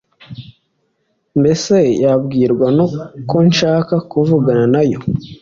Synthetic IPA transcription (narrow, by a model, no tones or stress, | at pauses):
mbe̞se̞jabɡiːɾɡwanoko̞nʃaːkakuvuɡananajo̞